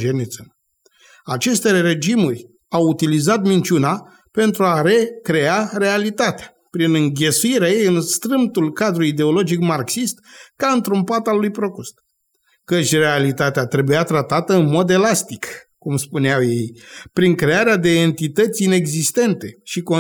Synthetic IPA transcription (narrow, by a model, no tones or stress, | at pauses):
d͡ʒenit̪sən | at͡ʃe̞st̪eɾe̞d͡ʒimurʲ | awut̪ilizat̪mint͡ʃuna | pe̞nt̪ɾuaɾe̞kɾe̞aɾe̞alit̪at̪eḁ | pɾinɨŋɡʲe̞suiɾeajejɨnst̪ɾɨmt̪ulkad̪ɾuid̪e̞o̞lo̞d͡ʒikmarksist̪kaɨnt̪ɾumpat̪alːujpɾo̞kust̪ | kət͡ʃʲre̞alit̪at̪eat̪ɾe̞bujat̪ɾat̪at̪əɨnmo̞d̪e̞last̪ikkumspuneawje̞jpɾiŋkɾe̞aɾead̪e̞eːnt̪it̪ət̪sʲine̞ɡzist̪e̞nt̪e̞ʃiko